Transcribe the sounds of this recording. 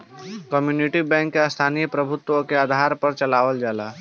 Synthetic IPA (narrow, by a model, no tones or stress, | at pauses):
kəmjuːnɪʈibɛ̃ːŋkːest̪ʰaːnijəpɾɐbʱʊt̪wõkeaːd̪ʱaːɾpɐɾt͡ʃɐlaːʋəld͡ʒaːlaː